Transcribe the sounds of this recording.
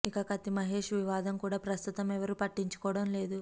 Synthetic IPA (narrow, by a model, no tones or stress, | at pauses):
ikɐkɐt̪imɐɦe̞ːʂʋiʋaːd̪ɐmkuːɽaːpɾɐst̪ut̪ɐmɛʋɐɾupɐʈːiɲt͡ʃu̥kɔːʋɐɽɐmle̞ːd̪u